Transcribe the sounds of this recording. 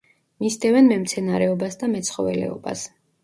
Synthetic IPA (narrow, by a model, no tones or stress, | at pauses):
mist̪ʼɛvɛnmɛmt̪sʰɛnaɾɛɔbasd̪amɛt̪sʰχɔvɛ̰lɛ̰ɔ̰ba̰s